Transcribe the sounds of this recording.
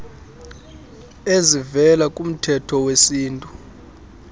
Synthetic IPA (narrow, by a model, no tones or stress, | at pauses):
ezivɛlakʼum̩tʰɛtʰɔwesiːntʼu